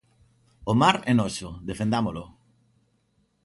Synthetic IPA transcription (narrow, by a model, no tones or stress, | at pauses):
omaɾɛnosoðefẽnd̪amolo